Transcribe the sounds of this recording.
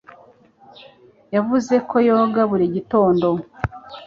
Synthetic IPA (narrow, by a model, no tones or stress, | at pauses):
javuze̞kʰo̞jo̞ɡaβuɾiɟito̞ːndo̞